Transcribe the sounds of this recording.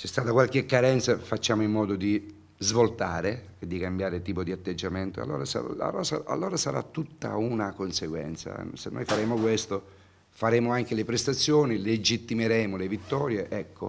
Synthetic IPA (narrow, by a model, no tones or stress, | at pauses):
sɛst̪aːt̪akwalkekːaɾɛnt̪safat͡ʃːaːmoimːɔːd̪od̪i | zvolt̪aːɾe | ed̪ːikambjaːɾet̪iːpod̪iat̪ːed͡ʒːament̪oa̰lːo̰ːɾasa̰a̰ɾɔsaa̰lːoːɾasaɾa̰t̪ːut̪ːa̰unakonseɡwɛ̰nt̪sa̰senːo̰jfaɾeːmokwest̪o | faɾeːmoaŋk̟elepɾest̪at̪sːjoːniled͡ʒit̪ːimeɾɛːmolevit̪ːɔːɾjeʔɛkːo̰